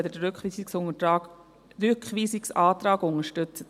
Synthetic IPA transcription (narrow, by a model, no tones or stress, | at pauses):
d̪əɾʏkχʋiːsɪksʊŋətɾɑːɡ | ɾʏkχʋiːsɪksɑːt̪ɾɑːɡʊŋəʃtʏt͡sət